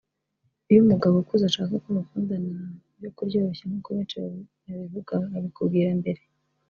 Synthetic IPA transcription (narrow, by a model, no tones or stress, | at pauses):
ujumuɡaβokuzaʃaːkakoβafuːndana | jokuɾɟoːɾoçanukoβeːt͡ʃe | aβivuɡaːβikubɡiːɾambe̞ɾe